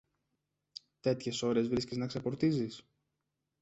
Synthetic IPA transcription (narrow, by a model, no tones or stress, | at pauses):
t̪e̞t̪çe̞so̞ɾe̞zvɾisceznɐksepo̞ɾt̪izis